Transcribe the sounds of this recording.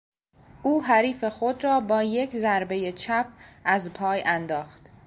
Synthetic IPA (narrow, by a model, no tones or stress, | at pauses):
ʔuːɦæɾiːfe̞xo̞d̪ɾɒːbɒːje̞cʰzæɾbe̞jet͡ʃʰæp̚ʰʔæzpʰɒːjænd̪ɒːxt̪